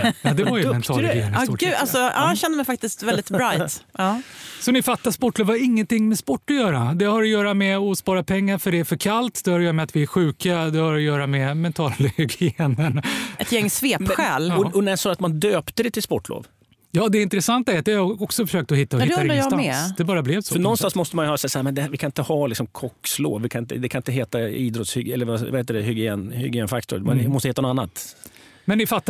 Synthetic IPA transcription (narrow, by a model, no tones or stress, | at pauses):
jɑːd̪ɛvaɾjəmɛnt̪ʰɑːlɡjeːnspɔɔɡːd̪alsɔɑ̰ːɕɛnd̪əmɛɪjfak̚t̪ɪst̪vɛld̪ɪt̪bɾajt̪ɑːsɔnɪfat̪ːaspɔʈːloːvaɾɪŋːənt̪ɪŋːmɛspɔʈːɔjœːɾad̪ɛhaɾɔjœːɾamɛɔspɑːɾapʰɛŋːaɾfœɖɛæfœɾkʰalt̪d̪ɛhœɾjœːɾamɛat̪vɪæɾɧʉ̟ːkad̪ɛhaɾɔjœːɾamɛmɛnt̪ʰɑːllɡenənɛt̪jɛŋːsveːɧɛːlɔɔnɛsɔat̪mand̪øːpt̪əd̪ɛt̪ʰɪlspɔʈːlo̰ːv | jɑːd̪ɛɪnt̪ɾɛsant̪aɛɾat̪d̪ɛaɔksɔfœʂøːk̚t̪ɔhɪt̪ːaɪd̪ːɾajɑɛd̪ɛbɑːɾablɛvsɔfœnɔnst̪ansmɔst̪əmanjʏhœːɾsɛsahæɾmɛnd̪ɛhæɾvɪkʰanɪnt̪əhɑːlɪksɔmkʰɔkslo̰ːvːɪkʰanɪnt̪ə̰d̪ɛkʰanɪnt̪əɦeːt̪aiːd̪ɾɔt̪shʏɡɛlːəɾvavaheːt̪ːədɛɦʏɡɪeːnhʏɡjeːnfak̚t̪ʊ̰ɾmanmɔst̪əheːt̪anɔanːa̰t̪mɛnɪfat̪ːa